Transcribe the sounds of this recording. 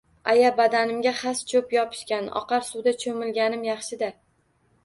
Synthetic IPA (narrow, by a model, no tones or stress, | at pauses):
ajabad̪anɪmɡʲaχast͡ʃʰɵpjɒpʰɪ̥ʃkʲanɒ̰qɑɾsuwd̪at͡ʃʰomɪlɡʲanɪmjɑχʃɪd̪a